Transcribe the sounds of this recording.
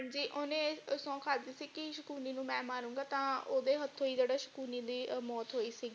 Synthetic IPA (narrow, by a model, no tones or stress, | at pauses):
d͡ʒiːʔoːnẽːsɔ̃ːkʰaːd̪iːsiːkɪʃəkuːniːnũːmɛ̃ːmaːɾũːŋɡaːt̪ãːoːd̪eːɦət̪ʰːõːiːd͡ʒeːɽaːʃə̥kuːniːd̪iːmɔːt̪ɦoːiːsiːɡiː